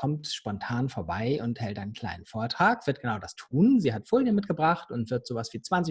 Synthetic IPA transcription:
ɔmtʃpɔntʰaːnfoːɐbaɪʔʊnthɛltʔaɪnənkʰl̥a̰ɪnənfoːɐtʁ̥aːkv̥ɪɐtɡ̥ənaʊdastʰuːnziːɦatfoːljəmɪtɡ̥əbʁaχtʊntv̥ɪɐtz̥oːvasv̥iːt͡sv̥ant͡sɪ

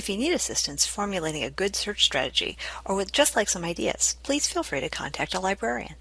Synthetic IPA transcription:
ɨfjɨniɾɨsɪstɨ̃ntsfɔɹmjɨleɪɾɪ̃ŋɨ̰ɡʊdsɜ˞t͡ʃstɹ̥æ̰ɾɨd͡ʒḭʔə˞wɨðd͡ʒʌstˡlaɪksʌ̃maɪdḭɨ̰z̥pʰl̥iz̥filˠfɹiɾɨkʰɑ̰̃ntʰæk̚təlaɪbɹɛɹḭɨ̰̃n

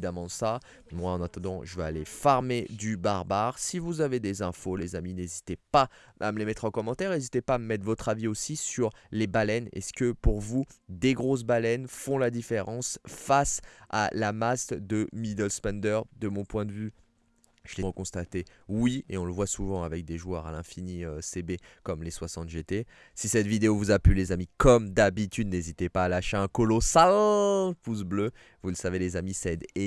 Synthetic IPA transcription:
d̪amɑ̃sa | mwaɑ̃nat̪ɑ̃d̪ɑ̃ʒəvøalefaʁmed̪ybaʁbaʁsivuzaved̪ezɛ̃folezaminezit̪epa | ʔa̰məlemɛt̪χɑ̃kɔmɑ̃t̪ɛʁezit̪epaːməmɛt̪vɔt̪χaviosisyʁlebalɛnɛ̰skəpuʁvud̪eɡʁos̬balɛnfɔ̃lad̪ifeʁɑ̃sfasa̰lamasd̪əmid̪ɛlspɛ̃nd̪œʁd̪əmɔ̃pwɛ̃d̪əvy | ʒ̥əlekɔ̃st̪at̪ewiḛɔ̃ləvwasuvɑ̃avɛk̚d̪eʒwœʁa̰lɛ̃finiøsebe | kɔmleswasɑ̃t̪ʒet̪e | sisɛt̪vid̪eovuzaplylezamikɔmd̪abit̪yd̪nezit̪epaːlaʃeɛ̃kɔlosa | pus̬blø | vuləsavelezamisɛd̪e

